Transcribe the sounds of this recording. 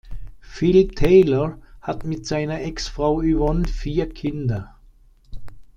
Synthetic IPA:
fɪltʰeɪləhatmɪtsaɪnɐʔɛksfʁaʊyʋɔnfiːɐkʰɪndɐ

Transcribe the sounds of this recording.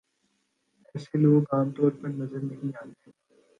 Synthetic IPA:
ɛːseloːɡaːmt̪oːɾpɐɾnɐzəɾnɐɦĩaːt̪eː

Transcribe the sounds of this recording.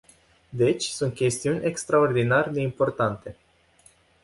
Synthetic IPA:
d̪e̞t͡ʃʲsunt̪̚kʲe̞st̪iunʲe̞kst̪ɾao̞rd̪inarʲed̪e̞impo̞rt̪ant̪e̞

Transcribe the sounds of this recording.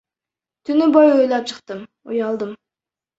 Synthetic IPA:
t̪ʰynybojøjlʲˠɑp̚t͡ʃʰɨq̚t̪ɯm | ujɑlˠd̪ɯm

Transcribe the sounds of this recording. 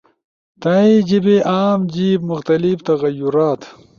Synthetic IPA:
t̪aid͡ʑibeʔaːmd͡ʑiːbmʊxt̪ɐlibt̪ɐɣɐjuɾaːt̪

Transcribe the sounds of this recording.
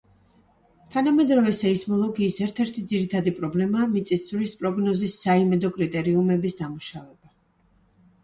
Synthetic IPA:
t̪ʰanamɛd̪ɾɔvɛsaismɔlˠɔɡiːsɛɾt̪ʰɛɾt̪ʰid̪ziɾit̪ʰad̪ipʼɾɔblɛmaːmit̪sʼist̪sʰvlispʼɾɔɡnɔzisːaimɛd̪ɔkʼɾit̪ʼɛɾiumɛbisd̪amuʃavɛba

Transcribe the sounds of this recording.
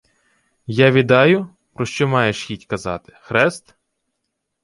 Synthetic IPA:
jaʋʲid̪ɑjʊ | pɾɔʃt͡ʃɔmɑjeʃxʲitʲkɐzɑ̰t̪ɪ̥xɾɛst̪

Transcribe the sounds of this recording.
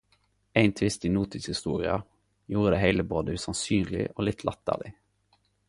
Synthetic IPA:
æɪnt̪ʰʋɪst̪ɪːnuːt̪ɪshɪst̪uːʁɪɑ | juːʁəd̪eːhæɪləboːd̪əʉːsɑnsyːnlɪ̰ʔoːlɪt̪ʰlʔɑt̪ːə̰lɪ

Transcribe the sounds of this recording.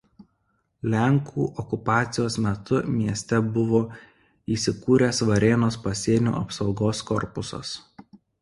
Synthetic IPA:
lʲæŋkʰuːʔɔkʊpɑːt̪sʲɪjoːsmʲɛt̪ʊmʲiɛsʲt̪ʲɛbʊʋoː | iːsʲɪkuːɾʲeːsʋɐɾʲeːnoːspɐsʲiɛnʲṵːɐpsɒʊɡoːskɔɾpʊsɐ̰s

